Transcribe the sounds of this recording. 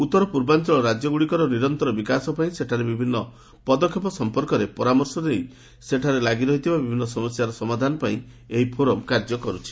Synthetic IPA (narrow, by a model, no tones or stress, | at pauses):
ut̪ːɔɾɔpuɾbant͡ʃɔɭɔɾad͡ʒjɔɡuɽikɔɾɔniɾɔnt̪ɔɾɔbikasɔpaĩseʈʰaɾebibʱinːɔ | pɔd̪ɔkʰːjɔp̬ɔsɔmpɔɾkɔɾepɔɾamɔɾsɔd̪ej | seʈʰaɾelaɡiɾɔɦit̪ʰibabibʱinːɔsɔmɔsjaɾɔsɔmad̪ʱanɔpaĩ | eɦipʰoɾɔmkaɾd͡ʒɔkɔɾut͡ʃʰi̥